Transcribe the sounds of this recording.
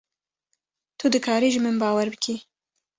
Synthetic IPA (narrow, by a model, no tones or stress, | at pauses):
t̪ʰud̪ɨkʰɑːɾiːʒimɨnbɑːwɛɾbɨkʰi